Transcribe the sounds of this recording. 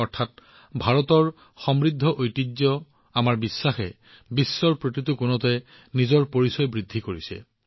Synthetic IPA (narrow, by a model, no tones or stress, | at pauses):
ɔɹtʰat̚ | bʱaɹɔtɔɹ | xɔmɹid̪ʱːɔʔojtizɔ | amaɹbisːaxɛ | bisːɔɹpɹotitukʊnɔtɛ | nizɔɹpoɹisɔjbɹidʱːikoɹisɛ̰